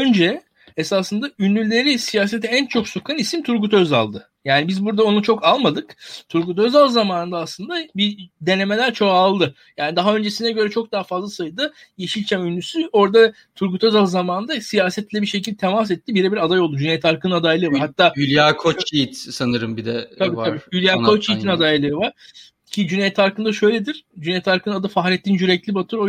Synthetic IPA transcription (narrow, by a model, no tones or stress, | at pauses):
ø̞nd͡ʒɛ | esasɯnd̪aynːʲylʲe̞ɾisijaːse̞t̪ʰɛænt͡ʃʰo̞ksokʰanisimt̪ʰuɾkut̪ʰø̞za̰lˠd̪ɯ | jaːnibizbuɾd̪ao̞nut͡ʃʰo̞kalˠmad̪ɯkt̪ʰuɾkut̪ʰø̞zalˠd̪ɯzamaːnɯnd̪aːslˠɯnd̪abid̪e̞ne̞me̞lʲæɾt͡ʃʰo̞aːlˠd̪ɯ | jaːnid̪aɦaø̞nd͡ʒe̞sinɛɟø̞ɾɛt͡ʃʰo̞k̚d̪aɦafazlˠasajɯd̪ɯ | jeʃilʲt͡ʃʰɛmynʲːysyo̞ɾd̪a | t̪ʰuɾkut̪ʰøzalˠzamaːnnd̪asijaːsɛt̪lʲɛbiʃecilʲt̪ʰemas̬ɛt̪ʰːibiɾɛbiɾad̪ajo̞lˠd̪ud͡ʒynejt̪ʰaɾkʰɯnɯnad̪ajlˠɯvaɾhat̪ʰːaːylʲjaːkʰot͡ʃijit̪sanɯɾɯmbid̪ɛabiːtʰaɾiːylʲjaːkʰot͡ʃʰijt̪inad̪ajlˠɯɯvaɾ̥ | cʰid͡ʒynejt̪ʰaɾkʰɯnd̪aʃø̞jlʲed̪iɾ̥d͡ʒynejt̪ʰaɾkʰɯnɯnad̪ɯfaxɾʲɛt̪ːʲind͡ʒyɾɛclʲibat̪ʰɯɾo